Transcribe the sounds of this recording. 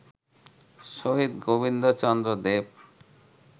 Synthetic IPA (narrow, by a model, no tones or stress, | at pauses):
ʃoɦid̪ɡobind̪ot͡ɕɔnd̪ɾod̪eb̚